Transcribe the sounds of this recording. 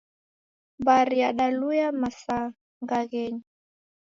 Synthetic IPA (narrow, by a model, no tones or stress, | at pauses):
bariaɗalujamasa | ŋɡaɣɛɲi